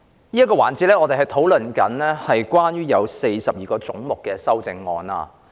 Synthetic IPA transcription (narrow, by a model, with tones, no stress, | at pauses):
niː˥jɐ˥kːɔː˧wa̰ː˨˩nt͡si˨˥lɛː˥ŋɔː˨˧t̪e˨ɦɐ˨˩jt̪ʰo˨˥wlɵ˨nkɐ˨˥nlɛː˥hɐ˨jkwaː˥njyː˥jɐ˨˧wse˧jsɐ˨p̚jiː˨kɔː˧t͡sʊ˨˥ŋmʊ˨kːɛː˧sɐ˥wt͡sɪ˧ŋːɔː˧na̰ː˧